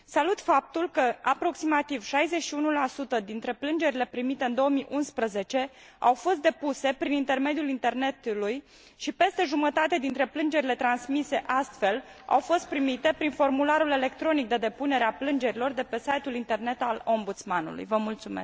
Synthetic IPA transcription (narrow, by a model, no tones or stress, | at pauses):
salut̪fap̚t̪ulkəapɾo̞ksimat̪iv̥ʃajze̞ʃiunulasut̪əd̪int̪ɾe̞plɨnd͡ʒe̞ɾile̞pɾimit̪e̞ɨnd̪o̞omiʔunspɾəze̞t͡ʃe̞ | awfo̞st̪̚d̪e̞puse̞pɾinint̪e̞rme̞d̪ijulint̪e̞rne̞t̪uluj | ʃipe̞st̪e̞ʒumət̪at̪ed̪int̪ɾe̞plɨnd͡ʒe̞ɾile̞t̪ɾansmise̞ʔast̪fe̞la̰wfo̞st̪̚pɾimit̪e̞pɾinfo̞rmulaɾule̞le̞kt̪ɾo̞nik̚d̪e̞d̪e̞pune̞ɾeaplɨnd͡ʒe̞ɾilo̞rd̪e̞pe̞sajt̪ulint̪e̞rne̞t̪alo̞mbut̪smanṵlṵjvəmult̪sume̞̰s